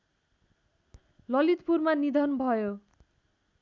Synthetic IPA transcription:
lʌlit̪purmanid̪ʱʌnbʱʌjo

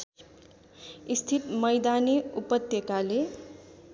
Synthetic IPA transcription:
ist̪ʰit̪mʌjd̪aniupʌt̪ːjekale

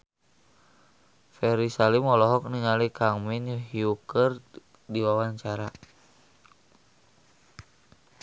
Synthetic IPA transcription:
fɛɾisalimɔlɔɦɔk̚niŋalikaŋminjuɦiukər | diwawaɲt͡ʃaɾa

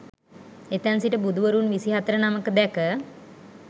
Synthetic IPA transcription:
et̪ænsiʈəbud̪uʋəɾunʋisiɦat̪əɾənaməkəd̪ɛkə

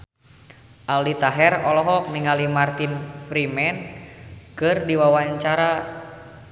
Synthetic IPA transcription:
ʔalit̪aɦɛrɔlɔɦɔk̚niŋalimart̪infɾimɛn | kɨrdiwawaɲt͡ʃaɾa

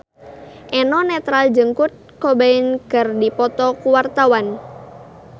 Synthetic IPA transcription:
ʔɛnɔnɛt̪ɾald͡ʒəŋkut̪̚kɔbainkɨrdipɔt̪ɔkuwart̪awan

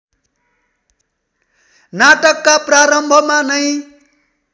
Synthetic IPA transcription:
naʈʌkːapraɾʌmbʱʌmanʌj

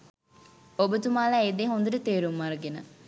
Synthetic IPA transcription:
obət̪umaːlaːed̪eɦond̪əʈət̪eːɾumːaɾəɡenə

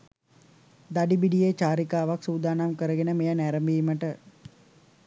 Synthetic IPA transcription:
d̪aɖibiɖijeːt͡ʃaːɾikaːʋaksuːd̪aːnamkəɾəɡenəmejanæɾəmbiːməʈə

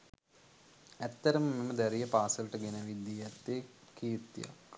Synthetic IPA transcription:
æt̪ːəɾəməmeməd̪æɾijəpaːsələʈəɡenəʋid̪ːiɛt̪ːekʰit̪ːija̰k

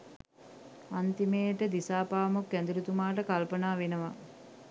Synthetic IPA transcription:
ant̪imeːt̪əd̪isaːpaːmokːɛnd̪iɾut̪umaːʈəkalpənaːʋenəʋa

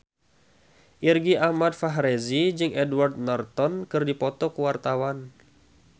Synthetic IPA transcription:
ʔirɡiʔahmad̪̚faɦɾezid͡ʒɨŋʔɛduward̪̚nɔrt̪ɔnkɨrdipɔt̪ɔkuwart̪awan

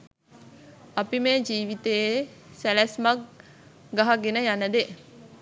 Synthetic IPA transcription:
ɐpimeːd͡ʒiːʋit̪ejesælæsmak̚ | ɡaɦaɡenəjanəd̪e

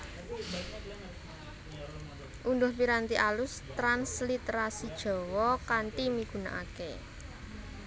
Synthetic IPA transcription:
ʔundʊhpiɾant̪iʔalʊst̪ɾanslit̪ɾasid̥ʒ̥ɔ̤wɔkanʈ̪imiɡ̥ṳna̰ʔakḛ

